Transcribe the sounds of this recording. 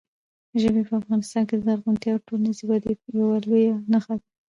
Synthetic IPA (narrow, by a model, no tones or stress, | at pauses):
ʒəbepəafɣɑnɪst̪ɑnked̪əd̪aɾɣunt̪jɑʈolnaziwad̪ijawalojanaxad̪a